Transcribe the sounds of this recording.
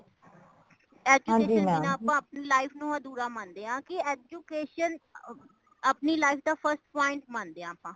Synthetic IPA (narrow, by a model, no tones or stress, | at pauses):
ɛːd͡ʒũːeːd͡ʒinɪnãːəpãːəpniːlaːɪpʰnũːãːd̪uːɾaːmənd̪eːãːkɪɛːd͡ʒuːkeːʃən | əpniːlaːɪfd̪aːpʰəɾsʈpãːɪ̃ɳʈ̚mə̃nd̪eːãːpãː